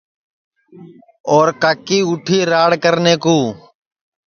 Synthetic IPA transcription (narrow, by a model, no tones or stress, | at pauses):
oːɾkakiːʊʈʰiːɾaːɽkəɾneːkuː